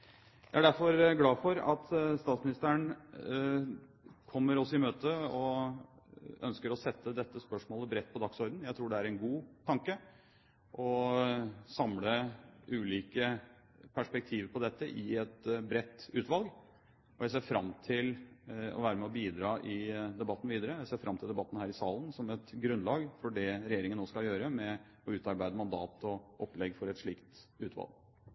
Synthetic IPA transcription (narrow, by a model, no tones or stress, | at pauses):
jæɪæɖæɾfɔɾɡlɑːfɔɾɑ̰t̪st̪ɑːt̪smɪnɪst̪əəɳ | kʰɔmːəɾɔsːɔɪmøːt̪əɔ | œ̰nskəɾɔsɛt̪ʰːəd̪ɛt̪ːəspœʂmoːləbɾɛt̪̚ːpʰɔd̪ɑksɔɾd̪n̩jæɪt̪ʰɾuːɖɛæɾɛnɡuːt̪ʰɑŋkə | ʔɔ | sɑmləʔʉːliːkə | pʰæʂpɛk̚t̪ʰiːʋpʰɔd̪ɛt̪ːəʔɪɛt̪bɾɛt̪ːʉːt̪ʋɑlɡ | ɔjæɪs̬eːɾfɾɑmt̪ʰɪlɔ̰ʋæːɾəmɛɔbiːd̪ɾɑːʔɪd̪ɛbɑt̪ːn̩ʋiːd̪əɾəjæɪseːɾfɾɑmt̪ʰɪld̪ɛbɑt̪ːn̩hæːɾɪsɑːlən̩sɔmɛt̪ɡɾʉnlɑːɡfɔɖɛɾɛjeːɾɪŋənːoːskɑljøːɾəmɛ | ɔʉːt̪ɑɾbæɪd̪əmɑnd̪ɑːt̪ɔʔɔpːlɛɡfɔɾɛt̪ʂɭiːkt̪ʉːt̪ʋɑ̰lɡ